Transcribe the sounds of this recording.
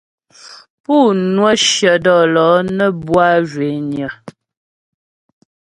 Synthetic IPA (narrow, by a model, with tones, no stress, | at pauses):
pu˦˨nwə˦ʃjə˨dɔ˦˨lɔ˨˦nə˦bwa˦ʒwe˨˦njə˨